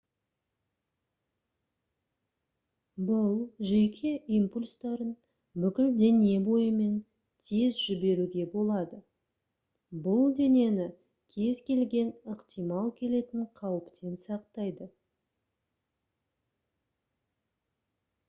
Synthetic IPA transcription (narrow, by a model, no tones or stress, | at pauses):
bʊlˠʒe̞kʲʰe̞ʔijmpulʲst̪ɑɾən | bʏkʲɪld̪ene̞bo̞jəme̞n | t̪ʰe̞zʒʏbe̞ɾuɡʲe̞bo̞lˠɑd̪ə | bʊlˠd̪e̞ne̞nɪ | kʲʰe̞zkʲʰe̞lɡʲe̞nəqt̪ijmɑlˠkʲʰe̞le̞t̪ɪɴqʰɑwəpt̪ʰe̞nsɑqt̪ɑjd̪ə